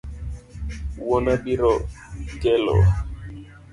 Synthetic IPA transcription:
wɔnabiɾɔkɛlɔ̰

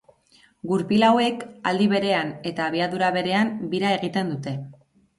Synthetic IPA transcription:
ɡuɾpilawe̞ka̰ld̪iβe̞ɾe̞ane̞t̪aːβ̞iaðuɾaβe̞ɾe̞ambiɾae̞ɣ̞it̪e̞nd̪ut̪e̞

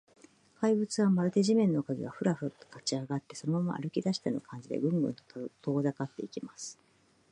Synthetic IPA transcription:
kaibɯ̟t͡sɨβamaɾɯ̟t̪e̞ʑimẽ̞nːo̞kaɡʲḭɡaɸɯ̟ɾaɸɯ̟t̪kat͡ɕiaɡat̪ːe̞sonomama̰ʔa̰ɾɯ̟kʲid̪aɕi̥t̪ano̰kʰãɲ̟d͡ʑid̪e̞̰ɡɯ̟̃mbɯ̟̰̃nt̪ot̪ʰo̞ːzakat̪ːe̞ikʲimasɨ̥

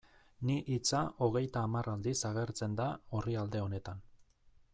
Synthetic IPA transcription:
niʔit͡saʔo̞ɣ̞e̞jt̪aːmarald̪isaɣe̞ɾt͡se̞nd̪aoriald̪e̞o̞ne̞t̪an

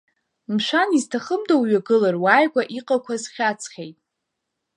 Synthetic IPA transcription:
mʃʷaniztʰaχəmdawɥaɡɨlarwaːjɡʷaʔiqʼakʷʰazχʲat͡sʰχʲejtʼ

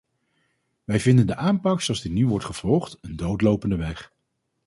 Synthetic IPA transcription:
ʋɛjvɪndəndəʔaːmpɑksoɑlzdɪtnyʋɔɹtχəv̥ɔlˠχtəndowtlowpəndəʋɛχ

